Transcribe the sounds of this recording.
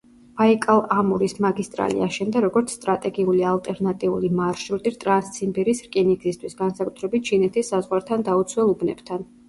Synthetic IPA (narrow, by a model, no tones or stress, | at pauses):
v̥aikʼalˠamuɾismaɡist̪ʼɾa̰lḭa̰ʃɛnd̪aɾɔɡɔɾt̪sʰst̪ʼɾat̪ʼɛɡiulialˠt̪ʼɛɾnat̪ʼiulimaɾʃuɾt̪ʼiɾt̪ʼɾanst̪sʰimbiɾisɾkʼiniɡzist̪ʰwisɡansakʼu̥t̪ʰɾɛbit̪̚t͡ʃʰinɛt̪ʰisːazʁwaɾt̪ʰand̪aut̪sʰwɛlˠubnɛ̰b̥t̪ʰan